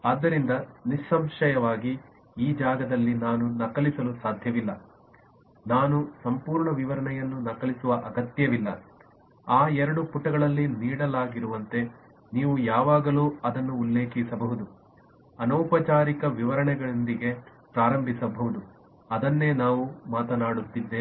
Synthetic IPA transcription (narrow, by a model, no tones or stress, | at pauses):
aːd̪ːɐɾind̪ɐniʃɐmʃɐjɐʋaːɡi | iːd͡ʒaːɡɐd̪ɐlːinaːnunɐkɐlisɐlusaːd̪ʱjɐʋilːɐ | naːnusɐmpuːɾɳɐʋiʋɐɾɐɳɛjɐnːunɐkɐlisuʋɐʔɐɡɐt̪jɐʋilːɐ̰ | aːɛɾɐɽupuʈːɐɡɐɭɐlːiniːɽɐlaːɡiɾuʋɐnt̪e̞ | niːʋujaːʋaːɡɐluːɐd̪ɐnːuːlːe̞ːkisɐbɐɦud̪u | ɐnɐːpɐt͡ʃaːɾikɐʋiʋɐɾɐɳɛɡɐɭond̪iɡe̞ | pɾaːɾɐmbʱisɐbɐɦud̪u | ɐd̪ɐnːe̞ːnaːʋumaːt̪ɐnaːɽut̪ːid̪ːe